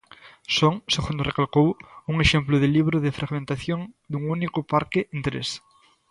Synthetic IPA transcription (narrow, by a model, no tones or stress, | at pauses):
soŋseɣund̪orekalkowuŋeʃemplʊðeliβ̞ɾoðefɾʔaɣmẽnt̪aθjoŋd̪uŋunikʊpaɾkeʔent̪ɾḛs